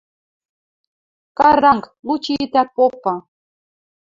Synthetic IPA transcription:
kɑɾɑŋk | lut͡ɕiit̪æk̚popːɤ̆

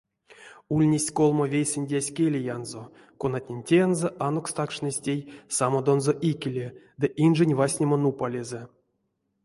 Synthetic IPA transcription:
ulʲnʲesʲkolˠmovʲejsʲɨnʲdʲasʲkʲelʲejanzo | konat̪ʲnʲenʲtʲenzəʔanokst̪akʂnʲesʲtʲejsamod̪o̞nzoʔikʲilʲed̪ɨʔinʐɨnʲvasʲnʲemonupalʲezɛ

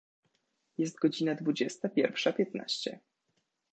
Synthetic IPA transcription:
jɛst̪̚ɡɔd͡ʑinad̪vud͡ʑɛst̪apʲjɛɾfʂapʲjɛt̪na̰ɕt͡ɕɛ̰

